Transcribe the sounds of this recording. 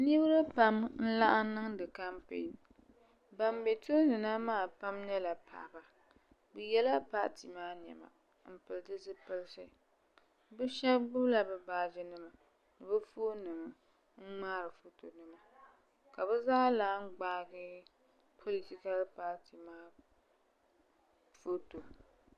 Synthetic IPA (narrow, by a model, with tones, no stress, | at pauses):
ni˦bɾɨ˦pa˦mn̩˦la˦ʔa˦nɨ˦ŋdɨ˨ka˦mpḛ˨n | ba˨mbɛ˨to˦nɨ˨na˦maː˦˨pa˦mɲɛ˦la˨pʰa̰˨ba˨ | bɨ˨jɛ˦la˦pa˦ʔti˨maː˦ɲ˨ɛ̰˨ma̰˨ | m̩˨pɨ˨ltɨ˦zɨ˦pɨ˦lsɨ˦ | bɨ˦ʃɛ˦ɡ͡bʊ˦bla˦bɨ˨baː˦d͡ʒɪ˦nɨ˦ma˨ | nɨ˨bɨ˦fo˦nɨ˨ŋ˨ | ŋ̩˦ŋ͡maː˦ɾɨ˨fo˦to˨nɨ˦ma˨ | ka˨bɛ˦zaː˦laː˨˦ŋ̩˦ɡ͡baː˦ɡɪ˦ | pʰo˦li˨ti˦ka˦lɨ˦pa˦ʔti˨maː˦ | fo˦to˨